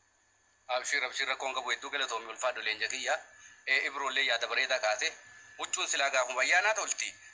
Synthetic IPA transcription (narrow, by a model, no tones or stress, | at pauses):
ʔɐbʃiːrɐbʃiːrːɐkːoːŋkʼɐbʊhɛd̪ːuːkɛlɐt̪omɪʊlfaːdɔleːnd͡ʒɐkɪjːaeːʔɪbɾoːlːeːjaːd̪ɐbɐɾeːt̪aːkʼaːsɛhʊt͡ʃʼːuːnsɪlaːɡaːfʊfɐjːaːnaːt̪ɐʊlt̪i